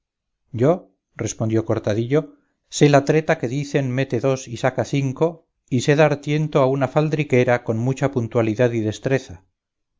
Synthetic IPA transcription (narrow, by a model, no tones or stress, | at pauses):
ɟ͡ʝo̞ | re̞spo̞nd̪jo̞ko̞ɾt̪aðiʎo̞ | se̞lat̪ɾe̞t̪ake̞ðiθe̞nme̞t̪e̞ðo̞sisakaθiŋko̞ | ise̞ðaɾt̪je̞nt̪oaunafald̪ɾike̞ɾako̞nmut͡ʃapunt̪waliðaðiðe̞st̪ɾe̞θa